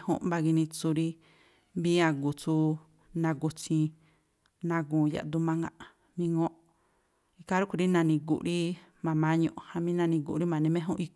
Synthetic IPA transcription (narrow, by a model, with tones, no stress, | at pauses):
hṵ̃˦ʔba˧ɡi˧nĩ˧t͡su˧ɾi˦ | βĩ˦ã˧ɡu˨t͡su˧˦ | nã˧ɡu˧t͡ʃĩ˧ | nã˧ɡũː˨ja̰˨d̪u˧mã˧ŋɡã̰˧˨ʔ | mĩ˧ŋõ˦ʔ | i˧ka˦ɾu˦ku˧ɾi˦nã˧nĩ˧ɡṵ˨ʔɾi˦ | mã˨mã˦ɲõ̰˧ʔhã˧mĩ˦nã˧nĩ˧ɡṵ˨ʔɾi˦mã˨nĩ˧mẽ˦ɦũ˦ʔi˧